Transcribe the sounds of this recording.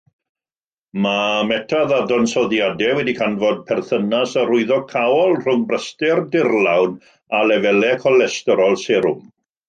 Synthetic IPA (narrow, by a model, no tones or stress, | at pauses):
mamɛtʰaðadɔnsɔðjadɛwɛdikʰanvɔd̚pʰɛrθənasarʊɨðɔkʰawɔlˠr̥ʊŋbrəstɪrdɪrlawn | alɛvɛlɛkʰɔlɛstɛɾɔlˠsɛɾʊm